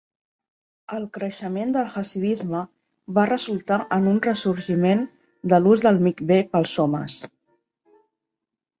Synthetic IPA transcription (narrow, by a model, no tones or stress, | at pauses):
əlˠkɾəʃəmend̪əlˠɣəsiðizmə | βarəzulˠt̪aʔənunrəsuɾʒimen | d̪əluzðəlˠmikbepəlˠsɔmə̰s